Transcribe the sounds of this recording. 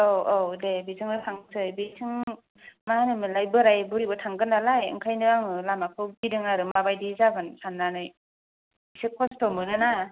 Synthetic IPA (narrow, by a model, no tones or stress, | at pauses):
owowdebizʰɯŋɯtʰaŋsʰɯjbisʰɯŋ | manɯmɯlajbɯɾajbuɾibɯtʰaŋɡɯnːalajɯ̰ŋkʰajnɯaŋɯlamakʰɯwbidɯŋaɾɯmabajdizabɯnsʰanːanɯj | isikʰɔstɔmɯdɯna